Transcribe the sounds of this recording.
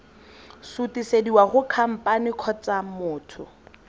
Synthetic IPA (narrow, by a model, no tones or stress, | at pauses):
sutʼisediwaχʊkʰam̩pʼanɪkʰɔt͡samʊːtʰʊ̰